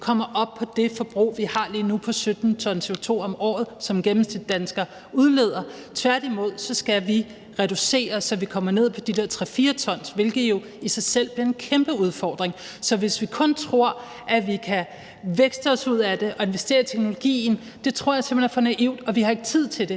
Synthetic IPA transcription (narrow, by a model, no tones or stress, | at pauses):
kʰɒ̽m̰ɐʔɒ̽b̥̚pʰɒ̽d̥e̝fɒ̽b̥ʁṵːʋihɑ̈liːnupʰɒ̽sød̥n̩t͡sʰɒ̽nsʰe̝ot͡sʰo̝̰ːɒ̽mɒ̰ːð̞̩ˠsɒ̽mɡ̥emm̩sd̥i̥d̥ænsɡ̥ɐ | uð̞ˠle̝ːð̞̰ˠɐt͡sʰʋæɐ̰d̥imo̝ð̰ˠsɒ̽sɡ̥æʋi | ʁɛɾ̥use̝̰ːɐsɒ̽ʋikʰɒ̽m̰ɐne̝ð̞̰ˠpʰɒ̽d̥ideɐ̰t͡sʰʁɛfiːɐt͡sʰɒ̽n̰sʋe̝lɡ̥ð̩ˠjo̝ | isɑ̈ɪsel̰b̥liɐe̝nkʰemb̥əuð̞ˠfɒːd̥ʁeŋ | sɒ̽ʋe̝sʋikʰɔ̽nt͡sʰʁo̝ɐ̰ | ʔæʋikʰæ | ʋeɡ̥sd̥əɒ̽suð̞̰ˠæd̥e̝ʔɒ̽e̝nʋesd̥e̝̰ːɐt͡sʰeɡ̥̚no̝lo̝ɡ̥ḭːn̩ | d̥e̝t͡sʰʁo̝ɐ̰jɑ̈semb̥enfɒnæʔiʊ̰d̥ɒ̽ʋihɑ̈e̝ɡ̥ət͡sʰið̞̰ˠt͡sʰe̝ld̥e̝